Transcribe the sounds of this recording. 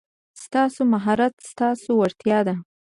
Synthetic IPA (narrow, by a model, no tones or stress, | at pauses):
st̪ɑsomaɦɑɾat̪st̪ɑsowaɾt̪jɑd̪a